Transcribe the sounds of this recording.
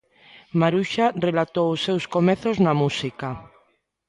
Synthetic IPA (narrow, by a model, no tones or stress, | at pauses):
maɾuʃarelat̪owʊsːewskomeθoznamusika